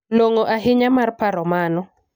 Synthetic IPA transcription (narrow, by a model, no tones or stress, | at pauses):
loŋoʔaɦɪɲamarpaɾɔmanɔ